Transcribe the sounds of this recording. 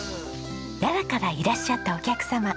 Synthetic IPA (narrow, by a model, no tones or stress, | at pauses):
j̪aɾakaɾaiɾaɕːat̪ːao̞kʲakɯ̟̥sama